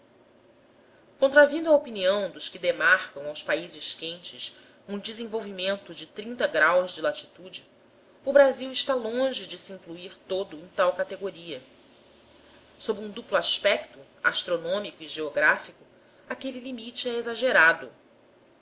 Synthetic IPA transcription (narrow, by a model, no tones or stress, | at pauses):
kõnt̪ɾavĩnd̪ʊɐopiniɐ̃w̃d̪ʊʃkɪd̪emaɾkɐ̃w̃awspaizɪʃkẽnt͡ʃɪs | ũd͡ʒɪzẽvowvimẽnt̪ʊd͡ʒɪt̪ɾĩnt̪ɐɡɾawzd͡ʒɪlat͡ʃi̥t̪ud͡ʒɪ | ʊbɾaziwɪʃt̪alõʒɪd͡ʒɪsiĩŋkluiɾt̪od̪ʊẽj̃t̪awkat̪eɡoɾiɐ | sobɪũd̪upluaʃpɛkt̪ʊ | a̰ʃt̪ɾonõmikʊiʒeoɡɾafikʊ | akelilimit͡ʃɪɛezaʒeɾad̪ʊ